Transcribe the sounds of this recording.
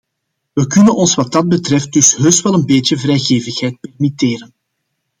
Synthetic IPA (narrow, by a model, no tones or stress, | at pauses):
ʋəkʏnənɔnsʋɑt̚dɑd̚bətrɛft̚d̥ɵsɦøːstwɛlˠənbeːtjəvrɛjɣeːvəxɦɛjt̚pɛrmiteːɾən